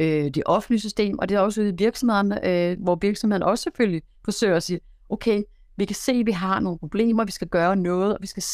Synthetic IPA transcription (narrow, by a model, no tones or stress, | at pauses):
ød̥e̝ʔɒ̽fn̩d̥lisysd̥e̝̰ːmʔɒ̽d̥e̝æɒ̽səuðˠʋiɐɡ̥sɒ̽mhe̝ðˠɐnəʋɒʋiɐɡ̥sɒmheðˠɐn̩əɒ̽sə̥seføl̰ji | fɒ̽sø̰ːɪɐɒsiːɐ | ʔoʊkʰeɪ | ʋikʰæse̝̰ːʋiɦɑ̈no̝ːnəpʰʁo̝b̥le̝̰ːm̰ɐʋisɡ̥æɡ̥ɶːɐnɔ̽ːð̞̩ˠɒʋisɡ̥æ